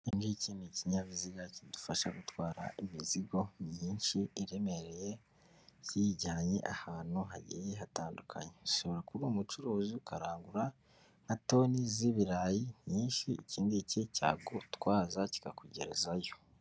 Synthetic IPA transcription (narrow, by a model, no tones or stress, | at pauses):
inɡiciniciɲaβiziɡacidufaʃaɡutwaːɾa̰ʔimiziɡo̞mɲiːnʃiiɾe̞me̞ɾeje̞ | ciɟaːɲeʔahaːn̥huɦa̰ɟḭjeɦataːndukʰa̰ɲeuso̞βoɾakuɾumut͡ʃuɾoːziukʰaɾaːŋɡuɾa | nato̞ːniziβiɾajiniːnʃiiciːndiceca̰ːɡutwaːzaci̥kakuɟe̞̰ɾḛzajo̞